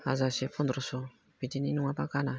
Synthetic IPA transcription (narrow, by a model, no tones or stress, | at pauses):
azasepõnd̪ɾoso | pitininiŋʷapakana